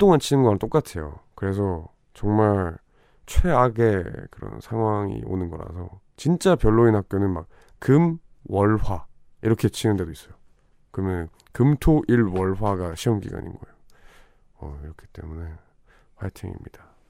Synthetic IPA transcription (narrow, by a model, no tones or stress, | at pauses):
t͈oŋant͡ɕʰinɯnɡʌant͈ok͈atʰe̞jo̰kɯɾe̞s̬ʰʌ | t͡ɕʌŋmaɭ | t͡ɕʰwe̞aɡe̞kɯɾʌ̰nsʰaŋɦwaŋḭo̰nɯnɡʌɾa̰sʰʌ | t͡ɕint͡ɕ͈apjʌɭːoinhak̚k͈jonɯnmak̚ | kɯm | wʌɭɸwa | iɾʌkʰe̞t͡ɕʰinɯnde̞dois͈ʌjo | kɯɾʌmjʌnɯn | kɯmtʰoʔiɭwʌɭɸwaɡaɕʰiʌmɡḭɡa̰ɲḭnɡʌejo | ʌiɾʌkʰi̥t͈e̞̰mune̞ | pajtʰeŋḭmɲid̥a